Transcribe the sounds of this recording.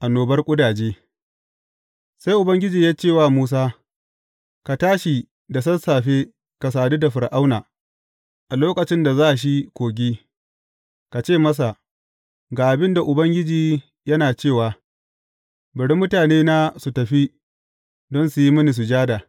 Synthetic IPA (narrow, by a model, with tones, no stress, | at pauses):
ʔa˨noː˨bɐ˦rkʷʼʊ˦daː˨d͡ʒeː˦ | sa˦jʔʊ˨bɐ˦ŋɡʲɪ˦d͡ʒiː˨jaː˦t͡ʃeː˦˨waː˦muː˦s̬aː˦ | ka˨taː˦ʃi˨ | da˨s̬ɐ˦nsaː˨ɸe˦ | ka˨saː˨du˦da˨ɸɪ˨ɾʔa˦wnaː˨ | ʔa˨loː˦kɐ˨t͡ʃɪ˦nda˨zaː˦ʔa˨ʃ̬i˦kʷoː˨ɡʲiː˦ | ka˨t͡ʃeː˦˨mɐ˦s̬a˨ | ɡaː˨ʔa˨bɪ˦nda˨ʔʊ˨bɐ˦ŋɡʲɪ˦d͡ʒiː˨ | jɐ˦naː˨t͡ʃeː˦˨waː˨ | bɐ˨ɽi˦mːʊ˦taː˨neː˦naː˦su˨tɐ˨ɸi˦ | dɔ˦nsu˨ji˦mɐ˦ni˨s̬u˨d͡ʒaː˦da˨